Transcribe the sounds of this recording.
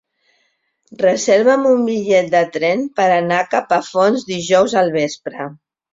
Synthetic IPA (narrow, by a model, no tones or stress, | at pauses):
rəzeɾβəmumbiʎɛt̪̚d̪ət̪ɾɛnpəɾənakapəfonzd̪iʒɔwzəlˠβ̞espɾə